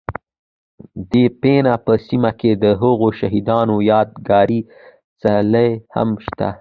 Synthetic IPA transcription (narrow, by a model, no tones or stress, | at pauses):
d̪epenapəsimaked̪əɦəɣoʃaɦid̪ɑnojɑd̪ɡɑɾi | t͡saləjha̰mʃt̪a̰